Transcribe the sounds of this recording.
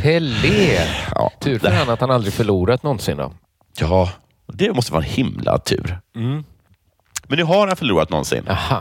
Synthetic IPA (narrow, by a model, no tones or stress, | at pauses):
pʰɛlːeːɑ̰t̪ʰʉ̟ːɾfœɾhanːat̪hanald̪ɾɪɡfœɭuːɾat̪nɔnsɪnd̪ɔ̰ | jɑː | d̪ɛmɔst̪əvɑ̰ːɾɛnhɪmla̰t̪ʰʉ̟ːɾ̩ | mɛnːʉɦaɾhanfœɭuːɾat̪nɔ̰nsɪ̰nːaha